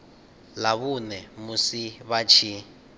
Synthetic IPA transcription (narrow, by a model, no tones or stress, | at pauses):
laβunɛmusiβat͡ʃʰi